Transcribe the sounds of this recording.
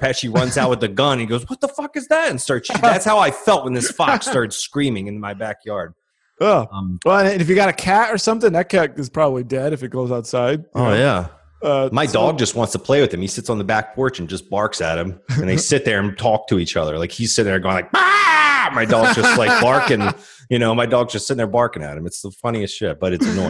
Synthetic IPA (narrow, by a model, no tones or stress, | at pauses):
pʰæʃiɹʌ̃nzaʊt̚wɨððɨɡʌ̃nɨ̃niɡoʊzwʌt̪̚ðəfʌkɨzðæɾɨ̃n̩stɑ˞sðætshaʊaɪfɛlˠt̚wə̃nðɪsfɑkstɑɹɾɨd̥skɹĩmɪ̃ŋɨ̃nmaɪbækʰjɑɹd̥̚ | ʌʌ̃mwɛɨ̃nɨ̃nɨfjɨɡɑɾɨkʰæɾə˞sʌ̃mθɪ̃ŋðɨt̚kʰɛtɨz̥pʰɹ̥ɑbəblidɛɾɨfɨt̚ɡ̥oʊzaʊtsaɪd̚oʊjæ | ʌmaɪdɔɡ̚d͡ʒʌst̚wɑ̃ntstʰəpʰl̥eɪwɨð̥ɨ̃misɪtsn̩ðəbæk̚pʰɔɹt͡ʃɨ̃n̩d͡ʒʌsb̥ɑɹksæ̰t̚hɨ̃mɨ̃nðeɪsɪt̪̚ðə˞ɨ̃ntʰɔk̚tʰɨit͡ʃʌðə̰˞laɪkhiz̥sɪt̩̪ðə˞ɡoʊ̃ŋlaɪk̚b̥amaɪdɔd͡ʒʌslaɪb̥ɑɹkɨ̃n | jɨnoʊmaɪdɔɡzd͡ʒʌstsɪtn̩ə˞bɑɹkɪ̃ŋæ̰t̚hɨ̃mɨtsðəfʌñiɨstʃɪt̚b̥ʌɾɨtsnɔ